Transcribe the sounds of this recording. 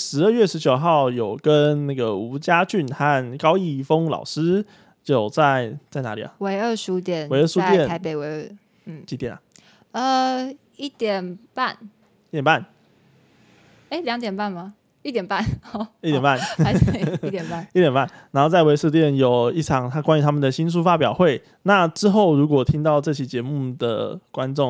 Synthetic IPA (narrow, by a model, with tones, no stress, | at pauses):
ʂɻ̩˧˥ə˥˧ɥɛ˥˩ʂɻ̩˧˥t͡ɕjo˨˩ʊxɑ˥˩ʊjo˨˩ʊkə˦nna˥˩ɡə˩u˧˥t͡ɕja˦t͡ɕy˥˩nxa˥˨nkɑ˥ʊi˥˩fo˦ŋlɑ̰˨˩ʊʂɻ̩˦˥ | jo˥˨˩ʊt͡sa˥˧ɪt͡sa˥˩ɪna̰˧˦˥li˨˩ɐ̰˩we˧˥ɪə˥˧ʂu˧t̪jɛ˨˦nwe˧˦ə˥˧ʂu˥˧t̪jɛ˥˨˩nʰa˧˦ɪe˨ɪwe˧˥ɪə˥˩ | m̩˥˩t͡ɕi˧˥t̪jɛ˨˩nɐ˨˩ | ə˧ | i˥˩t̪jɛ˨˩npa˥˨n | i˥˩jɛ˨˩nba˥˩n | e˥ɪljɑ˧˦ŋt̪jɛ˨˩npa˥˩nma˨˩ | i˥˩t̪jɛ˨˩npa˥˨ni˥˩t̪jɛ˨˩npa˥˩n˧˥˧t̪jɛ˨˩npa˥˨i˥˩t̪jɛ˨˩npa˥˩˨nna˧˥nxo˥˧ʊt͡sa˥˩ɪwe˧ɪʂu˥˧t̪jɛ˥˩njo˨˩ʊi˥˩ʈ͡ʂʰɑ˨˩˦ŋt̪ʰa˥kwa˥nɥy˧˥t̪ʰa˥mə˨nd̪ə˨˩ɕi˦ns̬u˥˧fa˦pjɑ˨˩ʊxwe˥˨˩ɪ | na˥˨ʈ͡ʂɻ̩˦xo˥˩ʊɻu˧˥kwɔ˨˩t̪ʰi˦ŋt̪ɑ˥˧ʊʈ͡ʂɤ˥˧t͡ɕʰi˨˥t͡ɕjɛ˨˧˦mu˥˨d̪ə̰˩kwa˦nʈ͡ʂo˥˨